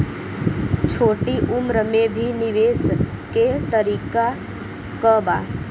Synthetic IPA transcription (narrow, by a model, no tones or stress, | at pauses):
t͡ʃʰoːʈiʔumɾəmebʱiniʋes | ket̪əɾiːka | kəba